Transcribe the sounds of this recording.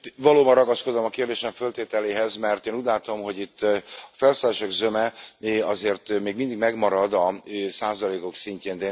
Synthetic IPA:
vɒloːbɒnrɒɡɒskod̪o̞mɒkeːrd̪eːʃɛɱfølt̪eːt̪ɛleːɦɛzmɛrt̪eːnuːɟlaːt̪o̞mɦo̞ɟit̪ːɒfɛlsalɛʃɛɡzømɛɒzeːrt̪meːɡmind̪iɡmɛɡmɒɾɒd̪ɒøsaːzɒleːko̞ksiɲceːnd̪ɛ

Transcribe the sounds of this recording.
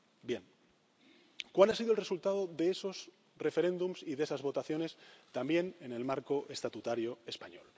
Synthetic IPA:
bje̞ŋ | kwalasiðoelresult̪að̞o̞ðe̞eso̞s | re̞fe̞ɾẽ̞nd̪umsiðe̞sazβo̞t̪aθjo̞ne̞st̪ambje̞nene̞lmaɾko̞ʔe̞st̪at̪ut̪aɾjoe̞spaɲo̞̰l

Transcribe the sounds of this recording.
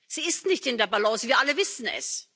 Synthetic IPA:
z̥iːɪstnɪçtɪndeːɐbalɔ̃ːsviːɐʔaləvɪsn̩ɛ̰s

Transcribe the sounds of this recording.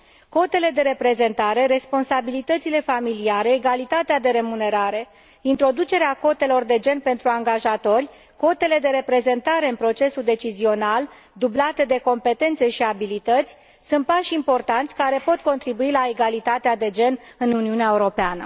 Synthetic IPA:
ko̞t̪e̞le̞d̪e̞ɾe̞pɾe̞ze̞nt̪aɾe̞ɾe̞spo̞nsabilit̪ət̪sile̞familiaɾe̞ːɡalit̪at̪ead̪e̞ɾe̞mune̞ɾaɾe̞ | int̪ɾo̞d̪ut͡ʃe̞ɾeako̞t̪e̞lo̞rd̪e̞d͡ʒe̞npe̞nt̪ɾuaŋɡaʒat̪o̞rʲ | ko̞t̪e̞le̞d̪e̞ɾe̞pɾe̞ze̞nt̪aɾe̞ɨnpɾo̞t͡ʃe̞suld̪e̞t͡ʃizio̞nal | d̪ublat̪e̞d̪e̞ko̞mpe̞t̪e̞nt̪se̞ʃiabilit̪ət̪sʲ | sunt̪̚paʃimpo̞rt̪ant̪sʲkaɾe̞po̞t̪ko̞nt̪ɾibuilaeɡalit̪at̪ead̪e̞d͡ʒe̞nɨnuniuneaeuɾo̞peanə̰

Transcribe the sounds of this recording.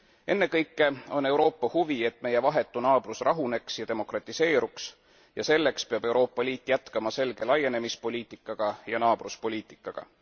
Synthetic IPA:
e̞nːe̞kɤjkːˑe̞o̞nːe̞wɾo̞ːpːɑhuvie̞t̪ːˑme̞je̞vɑɦe̞t̪ːˑunɑːb̥rusrʔɑɦune̞ksjɑd̪e̞mo̞krɑt̪ˑːise̞ːɾuks | jɑse̞lːe̞kspe̞ɑb̥e̞wɾo̞ːpːɑliːt̪ːˑjæt̪kɑmɑse̞lɡ̥e̞lɑje̞ne̞mispo̞lʲiːt̪ˑikːˑɑɡ̥ɑjɑnɑːb̥ruspo̞lʲiːt̪ˑi̥kːˑɑɡ̥ɑ̰

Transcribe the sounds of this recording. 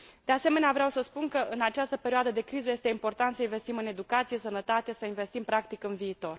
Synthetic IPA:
d̪̥e̞ase̞me̞neavɾeawsəspunkəʔɨnat͡ʃast̪əpe̞ɾioad̪əd̪e̞kɾizəje̞st̪e̞impo̞rt̪ant̪səinve̞st̪imɨne̞d̪ukat̪sije̞sənət̪at̪e̞səinve̞st̪impɾakt̪ikɨnviːt̪o̞r

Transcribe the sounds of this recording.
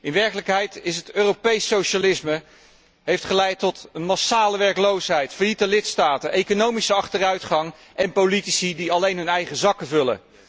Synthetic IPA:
ʔɪnʋɛɹkələkɦɛjtɪsətøːrowpejsowʃalɪsmə | ɦejftχəlɛjtɔtənmɑsaːləʋɛɹklowsɦɛjtfəɹjitəlɪtstaːtənʔejkonowmisəɑχtərœɥtχɑŋ | ʔɛnpolitisidiɑlejnɦɵnɛjχəzɑkəvɵlə̰

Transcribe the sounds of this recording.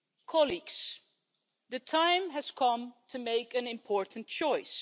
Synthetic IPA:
kʰɑliɡs | ðɨtʰãɪ̃mɨz̥kʰʌ̃mtʰɨmeɪkɨ̃nɨ̃mpʰɔɹʔn̩t͡ʃɔɪs

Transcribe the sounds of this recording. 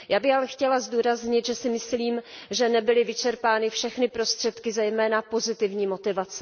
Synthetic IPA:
jaːbɪxalɛxcɛlazduːɾazɲɪt̪ʒɛsɪmɪsliːmʒɛnɛbɪlɪvɪt͡ʃɛɾpaːnɪfʃɛxnɪpɾo̞st̪r̥ɛt̪kɪzɛjmɛːnapo̞zɪt̪ɪvɲiːmo̞t̪ɪvat͡sɛ

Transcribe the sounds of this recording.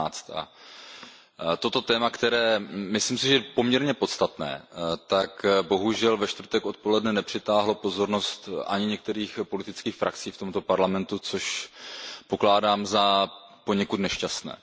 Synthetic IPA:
t͡st̪ʔa̰ | t̪o̞t̪o̞t̪ɛːmakt̪ɛɾɛːmɪslimsɪʒɛɛpo̞mɲɛɾɲɛpo̞t̪st̪at̪nɛ̰ːt̪akbo̞ɦuʒɛlvɛʃt̪vrt̪ɛkʔo̞t̪po̞lɛdnɛnɛpr̥ɪt̪aːɦlo̞po̞zo̞ɾno̞st̪ʔa̰ɲɪɲɛk̚t̪ɛɾiːxpo̞lɪt̪ɪt͡skiːxfɾʔak̚t͡siːft̪o̞mt̪o̞paɾlamɛnt̪ut͡so̞ʃ | po̞klaːdaːmza | po̞ɲɛkut̪nɛʃcast̪nɛ̰ː

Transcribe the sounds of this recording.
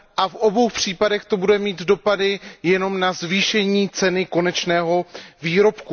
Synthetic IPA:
ʔafʔo̞bo̞wxpr̝̥iːpadɛxt̪o̞budɛmiːt̪do̞padɪjɛno̞mnazviːʃɛɲiːt͡sɛnɪko̞nɛt͡ʃnɛːɦo̞viːɾo̞pku

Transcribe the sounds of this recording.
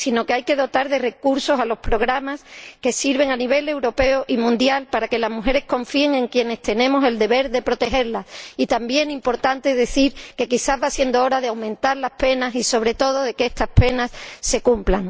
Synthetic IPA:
sino̞keajke̞ðo̞t̪aɾðe̞re̞kuɾso̞salo̞spɾo̞ɣ̞ɾamaske̞siɾβ̞e̞ŋaniβ̞e̞le̞wɾo̞pe̞oʔimũnd̪jalpaɾake̞lazmuxe̞ɾe̞hko̞ɱfie̞ŋe̞ŋkje̞ne̞st̪e̞nẽ̞mo̞se̞ld̪e̞βe̞ɾðe̞pɾo̞t̪e̞ɦe̞ɾlasit̪ambje̞ŋimpo̞ɾt̪ant̪e̞ðe̞θiɾke̞kiθaɦβasje̞nd̪oo̞ɾaðeawmẽ̞nt̪aɾlahpe̞nasiso̞β̞ɾe̞t̪o̞ð̞o̞ð̞e̞keest̪aspe̞nasːe̞kumplaŋ

